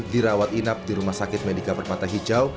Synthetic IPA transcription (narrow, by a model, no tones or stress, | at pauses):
diɾawat̪inap̚diɾumahsakɪt̪̚medikabərmat̪aɦid͡ʒaw